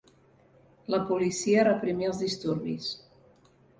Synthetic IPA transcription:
ləpulisiərəpɾimiəlˠzðist̪uɾβḭs

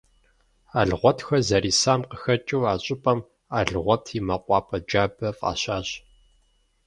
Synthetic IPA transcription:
aːɮɨʁʷɔtʰxɐzɐɾiːsaːmqəxɐt͡ʃʼɨwaːɕʼɪpʼɐm | aːɮɨʁʷɔtʰimɐqʷʼɑːpʼɐd͡ʒaːbɐfʼa̰ːɕaːɕ

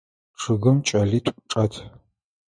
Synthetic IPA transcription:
ʂɨɣɨmt͡ʃʼɐɮiːtʷʼʈ͡ʂʼɐtʰ

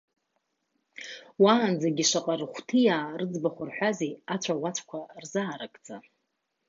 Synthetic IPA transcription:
waːnd͡zaɡʲiʂaqʼarχʷtʰijaːrɨd͡zbaχʷʊrħʷᶣazeat͡ɕʷʰawat͡ɕʷʰkʷʰarzaːɾakʼd͡zʼa

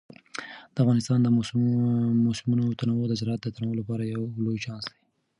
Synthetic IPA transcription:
d̪̥əafɣɑnɪst̪ɑnd̪ə | mosɪmunot̪anawod̪əzɾɑɑt̪̚d̪ət̪anawəolapɑɾajawlojt͡ʃɑnsd̪e̥

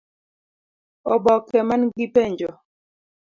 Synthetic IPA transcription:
ɔbɔkɛmanɡipɛɲd͡ʒɔ

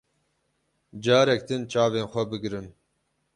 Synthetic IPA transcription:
d͡ʒaːɾɛk̚d̪ɨnt͡ʃaːveːnxʷɐbɨɡɾɨn

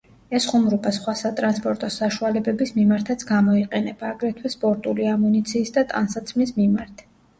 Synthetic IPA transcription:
ɛsχumɾubasχwasat̪ʼɾanspʼɔɾt̪ʼɔsaʃualɛbɛbismimaɾt̪ʰat̪sʰɡamɔiqʼɛnɛbaːɡɾɛt̪ʰwɛspʼɔɾt̪ʼuliamunit̪sʰiːsd̪at̪ʼa̰nsat̪sʰmismimaɾt̪ʰ

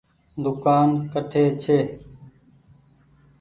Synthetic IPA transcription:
d̪ʊkaːnkəʈʰeːt͡ʃʰeː

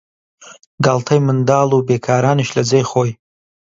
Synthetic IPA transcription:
ɡaːlt̪ʰajmənd̪ɑːlubeːkʰɑːɾɑːniʃlɐzejχoːj

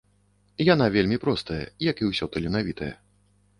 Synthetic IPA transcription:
janavʲelʲmʲipɾɔst̪ɐjɐ̰jɐkiwsʲɔt̪ɐlʲinavʲit̪ɐjɐ̰

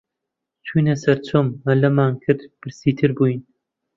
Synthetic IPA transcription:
t͡ʃʰujnɐsɐrt͡sʰomɐlɐmaːnkʰɨrd̪b̥ɨrsiːt̪ʰɨrbujin

